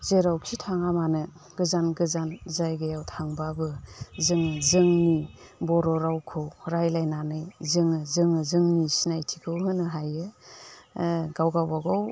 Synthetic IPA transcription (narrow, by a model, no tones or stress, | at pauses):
zeɾawkʰitʰaŋamanɯ | ɡɯzanɡɯzanzajɡajawtʰaŋbabɯzɯŋɯzɯŋni | bɔɾɔɾawkʰɯwɾajlajnanɯjzɯŋɯzɯŋɯzɯŋnisinajtʰikʰɯwɦɯnɯɦajɯ | ɡawɡawbaɡaw